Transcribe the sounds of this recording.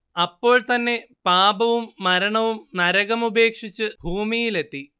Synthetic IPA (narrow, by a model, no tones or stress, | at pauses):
ɐpːo̞ːɭt̪ɐnːe̞paːbɐʋumːɐɾɐɳɐʋumnɐɾɐɣɐmube̞ːkʂit͡ɕːɨbʱuːmijile̞t̪ːi